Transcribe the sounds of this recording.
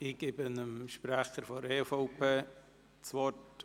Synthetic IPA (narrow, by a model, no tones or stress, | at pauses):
ɪɡ̥ɪbɪnəmʃpɾɛχəɾfɔɾeːfoʊpʰeː | t͡svɔt